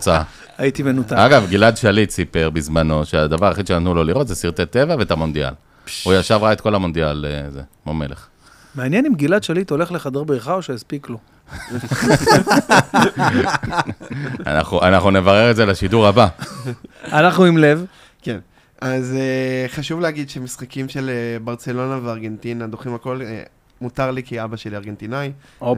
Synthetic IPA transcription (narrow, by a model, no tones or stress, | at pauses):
t͡sa | ait̪imenut̪aaɡavɡilad̪ʃalitsipeʁbizmano̞ʃead̪avaʁaχiʃenat̪nulo̞liʁo̞t̪zesiʁt̪et̪e̞vavet̪amo̞nd̪ia̰l | ujaʃavʁaet̪ko̞lamo̞nd̪ialezḛmome̞̰leχ | meanjenimɡilad̪ʃalit̪o̞le̞χleχad̪eʁbiʁχaoʃejaspiklo | a̰na̰χuʔanaχnune̞vaʁeʁetzelaʃid̪uʁaba | anaχnuimle̞v | ken | azeχaʃuvleaɡid̪ʃemisχakimʃelebaʁt͡se̞lo̞naveaʁɡe̞nt̪inad̪oχimhako̞le | mut̪aʁlikʰiabaʃeliaʁɡent̪inajo